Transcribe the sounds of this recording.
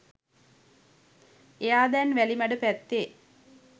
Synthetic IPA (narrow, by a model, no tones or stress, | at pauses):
ejaːd̪ænʋælimæɖəpæt̪ːe